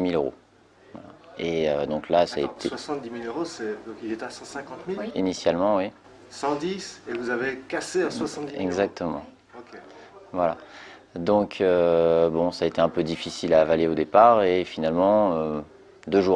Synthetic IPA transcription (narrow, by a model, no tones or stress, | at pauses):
miløʁo̰ | wa̰laeød̪ɔ̃klasaɛt̪wasɑ̃t̪d̪imiløʁosɛd̪ɔ̃kilet̪asɑ̃sɛ̃kɑ̃t̪milinisjalmɑ̃wi | sɑ̃d̪isevuzavekasẽswasɑ̃t̪ɛɡzak̚t̪ʰəmɑ̃ | okʲe | vwala | d̪ɔ̃kʰøbɔ̃saːet̪eɛ̃pød̪ifisilaːvaleod̪epaʁefinalmɑ̃ø | d̪øʒu